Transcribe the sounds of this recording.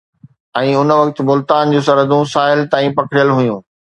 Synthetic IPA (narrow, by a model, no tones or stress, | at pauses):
ɛ̃ːʊnʋɐkt̪̆mʊlt̪aːnd͡ʑoːsɐɾəd̪ʱũsaːɪlt̪aːĩpɐkʰɽijəlɦʊjũː